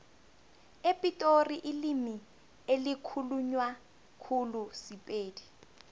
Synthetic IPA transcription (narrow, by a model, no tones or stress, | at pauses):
epʼitʼoriʔilimi | elikʰuluɲwa | kʰulusipʼeːdi